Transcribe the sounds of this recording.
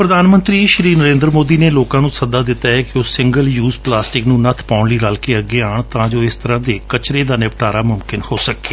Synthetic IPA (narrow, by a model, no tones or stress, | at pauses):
pɾəd̪aːnmə̃nt̪ɾiːʃɾiːnəɾẽːnd̪ɾəmoːd̪iːneːloːkãːnũːsəd̪aːd̪ɪt̪ːaːɦɛːkɪosɪ̃ŋɡəljuːzplaːsʈɪknũːnət̪ʰpaːʊɳliːɾaːlkeːəɡːeːaːɳt̪ãːd͡ʒoːɪst̪əɾãːd̪eːkət͡ʃɾeːd̪aːnɪpʈaːɾaːmʊmkɪnhoːsəkeː